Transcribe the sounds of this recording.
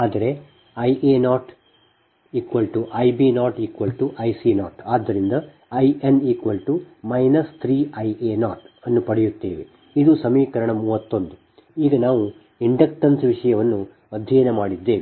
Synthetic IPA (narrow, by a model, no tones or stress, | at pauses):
aːd̪ɐɾe̞ | ɐjʔeːnaːʈ | iːkʋɐlʈuʔɐjbinaːʈiːkʋɐlʈuʔɐjsinaːʈaːd̪ːɐɾind̪ɐ | ɐjʔeniːkʋɐlʈu | mɐjnɐst̪ʰɾiːɐjeːnaːʈɐnːupɐɽɛjut̪ːeːʋe | id̪usɐmiːkɐɾɐɳɐmuːʋɐt̪ːo̞nd̪u | iːɡɐnaːʋu | iɳɖɐkʈɐnsʋiʂɐjɐʋɐnːu | ɐd̪ʱːɐjɐnɐmaːɽid̪ːeːʋi